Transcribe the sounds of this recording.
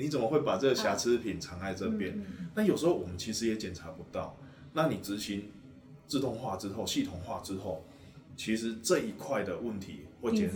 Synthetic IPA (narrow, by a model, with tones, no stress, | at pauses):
ni˨˥t͡sə˨˩mə˨˦xwe˥˩ɪpa˨˩t͡sɤ˥˩ɡə˩ɕja˧˥t͡s̩ʰ˥pʰi˨˩nʈ͡ʂʰɑ˧˥ŋa˥˧ɪt͡sə˥˧pjɛ˥˨nna˥˨jʂɻ̩˧˥xo˥˩ʊwɔ˨˩mə˦nt͡ɕʰi˧˥ʂɻ̩˧˥jɛ˨˥t͡ɕjɛ˨˩nt͡sʰa˨˥pu˧˦t̪ɑ˥˩ʊ | na˥˨ni˨˩t͡sɹɻ̩˧˦ɕi˧˦n | t͡sɹ̩˥˧t̪ʊ˥˧ŋxwa˥˨t͡sɻ̩˥xo˥˨ʊɕi˥˩t̪ʰʊ˨˩ŋxwa˥˨t͡sɻ̩˦˥xo˥˨ʊ | t͡ɕʰi˧˥ʂɻ̩˧˦t͡sə˥˧i˧kʰwa˥˩ɪd̪ə˨wə˥˩nt̪ʰḭ˧˦xwe˥˩ɪt͡ɕɛ˨˩n